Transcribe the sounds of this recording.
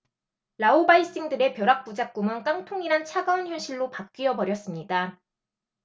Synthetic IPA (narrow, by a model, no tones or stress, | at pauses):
ɾaobais͈iŋdɯɾe̞pjʌɾak̚p͈ud͡ʑak̚k͈umɯnk͈aŋtʰoŋiɾant͡ɕʰaɡaonçjunɕʰiɭːopak̚k͈iʌbʌɾjʌs͈ɯmɲida